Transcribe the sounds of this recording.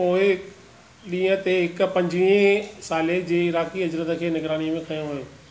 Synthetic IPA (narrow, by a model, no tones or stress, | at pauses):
oːe | ɗĩːə̃t̪eɦɪkpɐ̃ɲd͡ʑʋiẽsaːled͡ʑeːɪɾaːkiɐd͡ʑɾət̪əkʰeːnɐɡɾaːñimẽkʰɐjõɦʊoː